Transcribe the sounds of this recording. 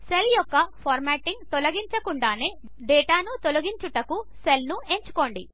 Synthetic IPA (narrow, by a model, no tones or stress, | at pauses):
se̞ljɔkːɐpʰaːɾmɛːʈiŋɡt̪olɐɡiɲt͡ʃɐkuɳɖaːneː | ɖɛːʈaːnut̪olɐɡiɲt͡ʃuʈɐkuse̞lnue̞ɲt͡ʃu̥ko̞ːɳɖi